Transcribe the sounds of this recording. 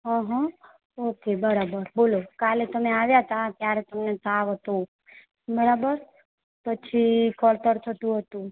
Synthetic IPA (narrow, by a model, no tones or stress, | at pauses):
ɦə̃ɦã | okebəɾabəɾbolokalet̪əmeaʋjaɦət̪ʰat̪jaɾet̪əmnet̪ʰaʋɦət̪õ | bəɾabəɾ | pət͡ʃʰikəlt̪əɾt̪ʰət̪ũɦət̪ũ